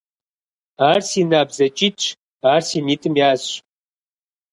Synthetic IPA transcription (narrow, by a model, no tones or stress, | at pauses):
aːrsiːnaːbzɐt͡ʃʼitɕ | aːrsiːniːtʼɨmjaːzɕ